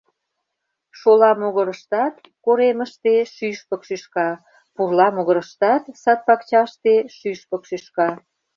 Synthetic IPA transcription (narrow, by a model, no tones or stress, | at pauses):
ʃolɑmoɣəɾəʃt̪ɑt̪ | koɾeməʃt̪eʃyʃpəkʃyʃkɑ | purlɑmoɣəɾəʃt̪ɑt̪sɑt̪̚pɑkt͡ɕɑʃt̪eʃyʃpəkʃyʃkɑ